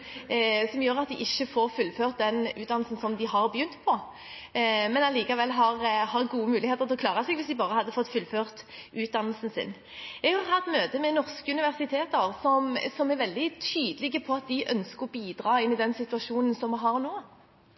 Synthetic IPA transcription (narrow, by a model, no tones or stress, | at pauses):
sɔmjøːʁɑt̪̚d̪ɪʔɪçːəfoːɾfʉlːføːʁt̪̚d̪ɛnʉ̰ːd̪ɑnl̩sn̩sɔmd̪ɪhɑʁbəjʏnt̪pʰɔ | mɛnɑliːkɑʋɛlːɦɑʁhɑʁɡuːəmʉːlɪheːt̪əʁt̪ʰɪlɔkʰlɑːʁɑsɛɡʋɪsd̪ɪbɑːʁəhɑd̪ːəfɔt̪ːfʉlføːʁt̪ʉːt̪̚d̪ɑnːəlsn̩sɪ̰n | ɛɡhɑʁhɑt̪møːt̪əmɛnɔʁskəʉnɪʋæʁsɪt̪ʰeːt̪əʁsɔmsɔmæɾʋɛld̪ɪt̪ʰyːd̪əlɪɡəpʰɔɑt̪̚d̪ɪʔœnskəʁɔbiːd̪ɾɑːɪnːɪd̪ɛnsɪt̪ʉɑʂuːnən̩sɔmːɪɦɑʁnoː